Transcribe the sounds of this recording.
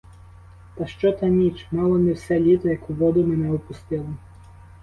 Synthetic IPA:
t̪ɐʃt͡ʃɔt̪ɐnʲit͡ʃmɑlˠɔmʲɪwsʲɛlʲit̪ɔjɐkuʋɔd̪ʊmɛnɛɔpʊst̪ɪlˠɐ

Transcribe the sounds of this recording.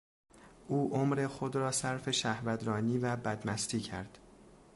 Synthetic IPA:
ʔuːʔomɾe̞xod̪ɾɒːsæɾfe̞ʃæhvæd̪ɾɒːniːvæbæd̪mæst̪ʰiːcʰæɾd̪̥

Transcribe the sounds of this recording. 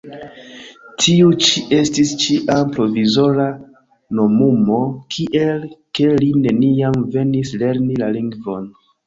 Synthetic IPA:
tʰiut͡ʃiʔe̞stist͡ʃiʔampɾo̞vizo̞ɾa | nomumo̞kʰiʔe̞lke̞line̞niamve̞nisle̞ɾnilaliŋɡvo̞n

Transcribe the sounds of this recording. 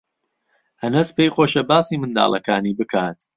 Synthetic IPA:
hɐnɐspejxoːʃɐbaːsiːmɨnd̪a̰ːlˠɐkaːniːbɨkʰaːt̪

